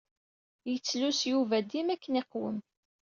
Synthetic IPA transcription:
jət͡sːlusjuvæd̪imækːəniqwə̰m

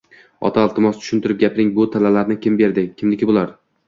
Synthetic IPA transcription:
ɒ̰t̪ʰaːlˠt̪ɪmɒst͡ʃ̪ʰʊ̥ʃɪnt̪ʰʊɾɪp̚ɡʲapɪɾɪŋbʊt̪ʰalalaɾnɪkʲʰɪmbe̞ɾd̪ɪkʲʰɪmlɪkʲɪbolˠaɾ

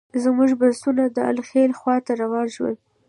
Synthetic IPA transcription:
zmuʒbasunad̪əa̰lxelxwɑt̪aɾawɑnʃwə̰

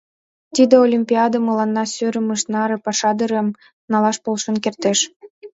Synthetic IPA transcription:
t̪id̪eolʲimʲpʲiɑd̪əməlɑnːɑsøɾə̆məʃnɑɾɤ̆pɑʃɑd̪əɾəm | nɑlɑʃpolʃə̆nkert̪eʃ

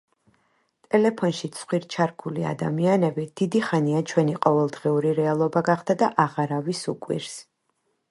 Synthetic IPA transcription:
t̪ʼɛlɛpʰɔnʃit̪sʰχwiɾt͡ʃʰaɾkʰulia̰d̪a̰mianɛbid̪̥id̪iχaniat͡ʃʰwɛniqʼɔvɛlˠd̪ʁiuɾiɾɛalˠɔbaɡaχd̪ad̪aʔaʁaɾavisukʼwḭɾs

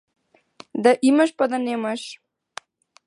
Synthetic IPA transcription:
d̪aʔiməʃpad̪aneməʃ

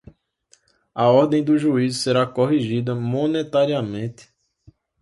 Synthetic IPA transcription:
ɐɔɾd̪ẽj̃d̪ʊʒuizseɾakoɦiʒid̪ɐmõnet̪aɾiamẽt̪ɪ̥

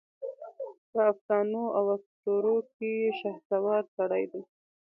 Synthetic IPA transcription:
pəafd̪ɑnoawasʈ̪oɾok̚ejeʃahsawɑɾsaɽajd̪e

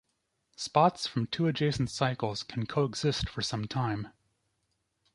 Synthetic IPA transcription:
spɑtsfɹʌ̃mtʰʉɨd͡ʒeɪsn̩tsaɪkl̩ˠz̥kʰn̩kʰoʊəɡz̥ɪstfə˞sʌ̃mtʰãɪ̃m

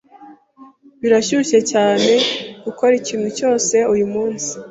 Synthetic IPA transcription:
βiɾaʃuʃe̞caːne̞ɡ̥uko̞ɾiciːmhuco̞ːse̞ujumuːnsi̥

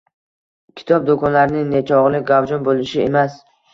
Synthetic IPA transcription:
kʲʰɪ̥t̪ʰɒb̚d̪okʰɒnlaɾɪnɪŋnet͡ʃʰɒʁlɪɡawd͡ʒɒnbolɪʃɪemas

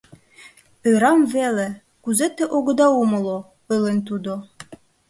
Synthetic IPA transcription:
ɤ̆ɾɑmvele | kuzet̪ːĕʔoɣɤ̆d̪ɑumɤ̆lˠo | ɤlent̪̬ud̪o

